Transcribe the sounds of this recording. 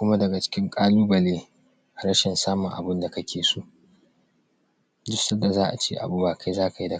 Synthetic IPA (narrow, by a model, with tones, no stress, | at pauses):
kʷʊ˦ma˦dɐ˨ɡa˨t͡ʃɪ̥˦kʲɪ˦ŋkʼaː˦luː˦bɐ˨leː˦˨ | ɾɐ˦ʃɪ˨nsaː˦mʊ˨ŋʔa̰˨bɪ˦nda˨kɐ˦kʲʰeː˨su˦ʔ | d͡ʒʊ˦sɐ˦da˨zaː˦ʔa̰˨t͡ʃeː˦ʔa̰˨buː˦baː˨ka˦jzaː˦ka˨ji˦dɐ˨